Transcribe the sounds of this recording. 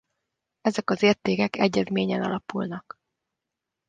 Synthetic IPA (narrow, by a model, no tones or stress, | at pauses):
ɛzɛkɒzeːrt̪eːkɛkɛɟːɛzmeːɲɛnɒ̰lɒpulnɒk